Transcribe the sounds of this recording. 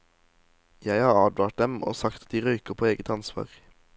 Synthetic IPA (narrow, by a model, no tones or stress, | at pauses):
jæɪhɑːʁɑːd̪ʋɑːʈ̚d̪ɛmo̰ːsɑkt̪ɑt̪̚d̪iːʁœʏkəpʰoːeːɡət̪ɑnsʋɑ̰ːʁ